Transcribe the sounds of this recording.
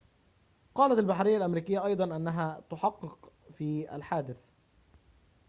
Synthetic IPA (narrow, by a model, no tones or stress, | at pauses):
qɑːlat̪albaħɾɪjːalʔamɾiːkɪjːaʔɑjd̪ˤɑnʔanːaɦaːt̪ʊħɑqːɨqfiːa̰lħaːd̪ɪθ